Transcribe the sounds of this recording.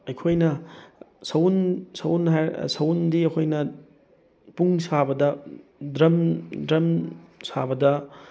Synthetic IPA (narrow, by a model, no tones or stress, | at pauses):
ɐjkʰojnɐ | sɐwnsɐwnɦajsɐwndiɐkʰojnɐ | puŋsabɐdɐdɾɐmdɾɐmsabɐdɐ